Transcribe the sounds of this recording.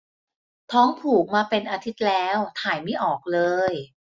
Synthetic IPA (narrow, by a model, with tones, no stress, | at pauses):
t̪ʰɔː˦˥ŋpʰuː˨˩k̚maː˧pe˧nʔaː˧t̪ʰi˦˥t̪̚lɛː˦˥wt̪ʰaː˨˩˦jma˥˩jʔɔː˨˩k̚lɤː˧j